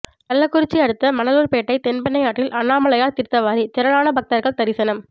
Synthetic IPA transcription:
nɐlːɐkːʊɾɪt͡ʃːiɐɽɯt̪ːɐmɐnɐluːɾpeːʈːɐɪt̪ɛnbɐnːɐɪjaːʈːɪlʔɐnːaːmɐɭɐjaːt̪ɪɾt̪ːɐʋaːɾit̪ɪɾɐɭaːnɐbɐk̚t̪ɐɾɣɐɭt̪ɐɾɪsɐnɐm

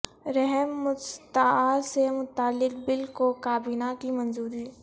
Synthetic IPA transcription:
ɾɛɦɛmːʊst̪aasemʊt̪aːlːɪkbɪlkokaːbiːnakimɐ̃nzuːɾiː

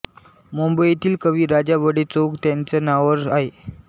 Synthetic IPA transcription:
mumbəit̪iːlkəʋiːɾad͡ʑabəɽet͡sokt̪jant͡sanaʋəɾaɦe

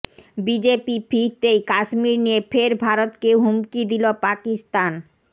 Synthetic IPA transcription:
bid͡ʑepifʰiɾt̪ejkaʃmiɾnijefeɾbʱaɾot̪keɦumkid̪ilopakist̪an

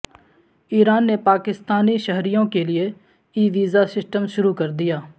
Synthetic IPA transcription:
iːɾaːnːepaːkɪst̪aːniʃəɦɾijõkelɪe | iːʋiːzasɪsʈəmʃʊɾukəɾd̪ɪjaː

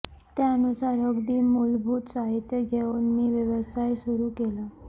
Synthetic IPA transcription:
t̪jaənusaɾəɡd̪iːmulbʱuːt̪saɦit̪jəɡʱeunmiːʋjəʋəsajsuɾuːkela

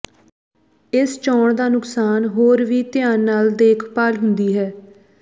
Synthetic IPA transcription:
ɪst͡ʃɔːɳd̪aːnʊksaːnɦoːɾʋiːt̪ɪjaːnːaːld̪eːkʰpaːlɦʊnd̪iːɦɛː

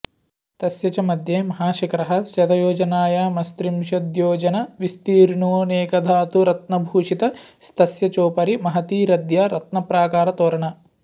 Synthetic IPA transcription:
t̪ɐsjɐt͡ʃɐmɐd̪ʱjeːmɐɦaːʃɐkɾɐɦɐ̆sɐt̪ɐjoːd͡ʒɐnaːjaːmɐst̪ɾimʃɐd̪joːd͡ʒɐnɐʋist̪iːɾnoːneːkɐd̪ʱaːt̪uɾɐt̪nɐbʱuːʂit̪ɐst̪ɐsjɐt͡ʃoːpɐɾimɐɦɐt̪iːɾɐd̪jaːɾɐt̪nɐpɾaːkaːɾɐt̪oːɾɐɳɐ

